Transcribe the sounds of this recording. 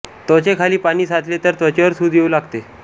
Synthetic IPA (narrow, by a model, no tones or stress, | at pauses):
t̪ot͡ɕekʰaliːpaɽ̃iːsat̪ʰlet̪əɾt̪ət͡ɕeʋəɾsuːd̪ʱjeuːlaɡt̪e